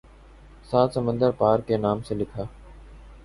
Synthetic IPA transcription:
saːt̪səmə̃nd̪əɾpaːɾkenaːmselɪkʰaː

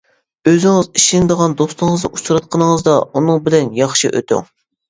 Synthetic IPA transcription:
øzɪŋɨziʃinɪd̪əʁɑnd̪ost̪ʊŋəznɨʔut͡ʃʰɾɑt̪̚qʰənəŋəzd̪ɑunɨŋbɪlɛnjɑχʃiʔø̰t̪ʰy̰ŋ

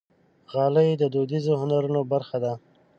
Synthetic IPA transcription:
ɣɑləjed̪əd̪od̪izohʊnaɾunobaɾxad̪a

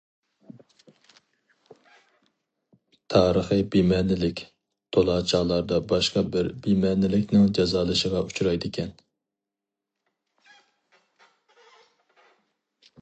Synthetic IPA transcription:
t̪ʰɑːɾəχɨbimɛnɪlɪkʲ | t̪ʰolˠɑːt͡ʃʰɑːlˠɑɾd̪ɑbɑʃqɑbɪɾbimɛnɪlɪkʲnɪŋd͡ʒɑzɑːlˠɨʃəʁɑut͡ʃʰuɾɑjd̪ɪkʲʰɛn

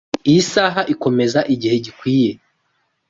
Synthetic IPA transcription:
iisaːɦaʔiko̞me̞zaʔiɟihe̞ɟikwiːje̞

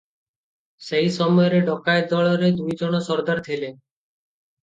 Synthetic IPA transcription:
seɦisɔmɔjɔɾeɖɔkaed̪ɔɭɔɾed̪ujd͡ʒɔɽ̃ɔsɔɾd̪aɾt̪ʰele

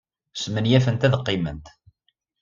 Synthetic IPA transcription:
smənjæfənt̪æðqːimənt̪

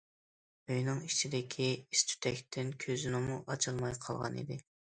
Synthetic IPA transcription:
øjnɨŋit͡ʃʰid̪ɪkʲʰiist̪ʰy̥t̪ʰɛkʲt̪ʰɪnkʲʰøzynɪmuʔɑt͡ʃʰɨlˠmɑjqʰɑ̰lˠʁɑ̰nḭd̪ɪ

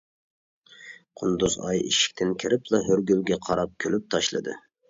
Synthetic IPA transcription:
qʰʊnd̪uzɑ̰jḭʃi̥k̚ʲt̪ʰɪnkʲʰɪɾɪplˠɑɦøɾɡʲylɡʲɛqʰɑɾɑp̚kʲʰølyp̚t̪ʰɑʃlˠɨ̰d̪ɨ̰

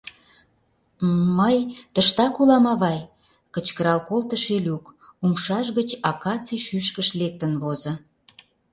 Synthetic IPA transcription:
məjt̪əʃt̪ɑkulɑmɑβɑj | kət͡ɕkəɾɑlkolt̪əʃelʲukumʃɑʃɣət͡ɕɑkɑt͡siʃyʃkəʃlek̚t̪ənβozə̆

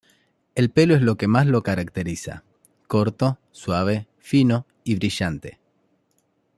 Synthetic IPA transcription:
e̞lpe̞loezlo̞kemaslo̞kaɾak̚t̪eɾisa̰ | koɾt̪o̞ | swaβ̞e̞ | fino̞ | iβɾiʃant̪e̞̰

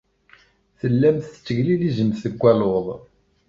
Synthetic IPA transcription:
θəlːæmθə̥t͡sːəɣliðizəmθəɡʷːæloðˤ

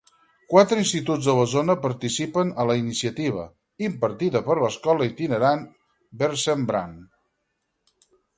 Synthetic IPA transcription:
kwat̪ɾəinst̪it̪ud͡zðələzonəpəɾt̪isipənələinisiət̪iβ̞ə̰ | impəɾt̪iðəpəɾləskɔləit̪inəɾan | bəɾsəmbɾa̰n

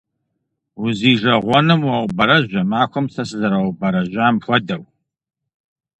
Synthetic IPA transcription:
ʊziːʒɐʁʷɔnɨmwɐwʷbɐɾɐʑʷɐmaːkʷɔmsɐsɨzɐɾɐwʷbɐɾɐʒʷaːmxʷɔdɐw

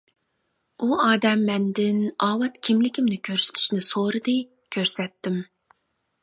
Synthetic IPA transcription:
uɑːd̪ɛmːɛnd̪ɪnɑːwɑt̪kʲʰimlɪkʲimnɪkʲʰøɾsy̥t̪ʰy̥ʃnɪsoɾɨd̪ɨ | kʲʰøɾsɛt̪ːɪm

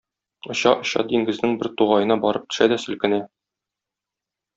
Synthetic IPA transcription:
ŏɕɑʔŏɕɑ̰d̪iŋɡɘ̆znɘŋbɘɾt̪uʁɑjɤ̆nɑbɒɾɤp̚t̪ɵ̥̆ʃæd̪æsɵ̆lkɘ̆næ

